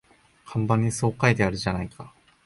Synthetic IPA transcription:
kʰãmbãɲ̟ːiso̞ːkaet̪eaɾɯ̟ʑanaikʰa

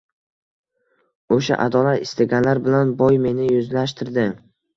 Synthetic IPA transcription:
oʃa̰ʔa̰d̪ɒlat̪ɪst̪aɡʲanlaɾbɪlanbɒjme̞nɪjʊzlaʃt̪ʰɪɾd̪ɪ

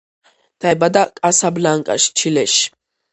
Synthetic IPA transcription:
d̪̥abad̪akʼasablaŋkʼa̰ʃt͡ʃʰilɛʃ

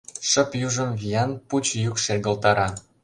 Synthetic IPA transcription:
ʃə̆pjuʒə̆mvijɑnput͡ɕjukʃerɣə̆lt̪ɑɾɑ

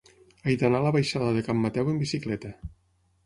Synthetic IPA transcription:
ajd̪analəβajʃaðəðəkamːat̪ɛwəmbisiklɛt̪ə

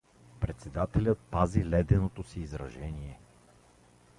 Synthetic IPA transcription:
pɾɛt̪sɛd̪at̪ɛlʲət̪̚pazilɛd̪ɛnot̪osiːzɾɐʒɛniɛ

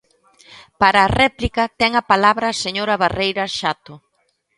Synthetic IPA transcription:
paɾɐːrɛplikɐt̪ɛŋɐpalaβɾɐseɲoɾɐβarejɾɐʃat̪ʊ

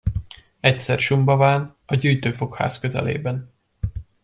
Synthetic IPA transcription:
ɛcsɛrʃumbɒvaːnɒɟyːjt̪øːfo̞kha̰ːskøzɛ̰lḛːbɛn

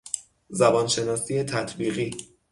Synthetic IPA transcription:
zæbɒːnʃe̞nɒːsiːje̞t̪ʰæt̪ʰbiːɣiː

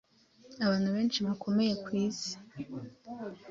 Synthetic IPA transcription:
aβaːnhuβe̞ːnt͡ʃiβakʰo̞me̞je̞kwiːzi̥

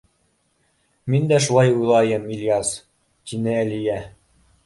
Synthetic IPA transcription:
mind̪æʃ̬ulˠɑjujlˠɑjɤmilʲjɑs | t̪inɘælijæ

